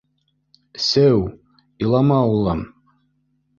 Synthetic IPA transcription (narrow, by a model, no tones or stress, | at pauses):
sɘw | ilˠɑmɑulˠɤm